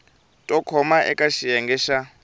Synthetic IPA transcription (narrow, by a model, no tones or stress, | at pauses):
tʼɔkʰɔmaʔɛ̰kʼaʃijɛŋɡɛːʃa